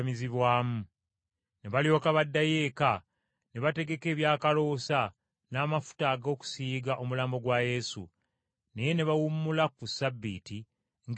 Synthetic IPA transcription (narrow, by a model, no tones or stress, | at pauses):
miziβwaːmu | ne̞βaljo̞ːkaβadːaje̞ːka | ne̞βate̞ɡe̞ke̞ːβjaːkalo̞sa | naːmafu̥taːɡo̞ːku̥siːɡaʔo̞mulaːmbo̞ɡwaje̞ːsṵ | neje̞ne̞βawumːulakusabːḭːti | ŋɡ